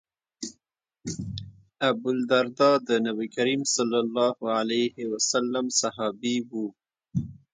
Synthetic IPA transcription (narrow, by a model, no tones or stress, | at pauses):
abʊld̪aɾd̪ɑd̪ənabikaɾiːmsɑlːalːɑhalajhewasalːamsahɑbiwu